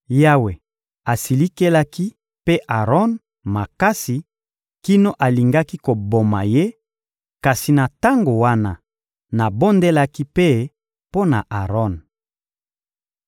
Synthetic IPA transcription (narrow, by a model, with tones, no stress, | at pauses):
ja˦we˨ | a˨si˨li˦ke˦la˦ki˦ | pe˦ʔa˨ʁɔ˦n | ma˨ka˦si˨ | ki˦no˦ʔa˨li˨ŋɡa˦ki˦ko˨bo˨ma̰˨je˦ | ka˨si˨na˨ta˦ŋɡo˨wa˦na˦ | na˨bo˦nde˦la˦ki˦pe˦ | po˦na̰˨ʔa˨ʁɔ˦n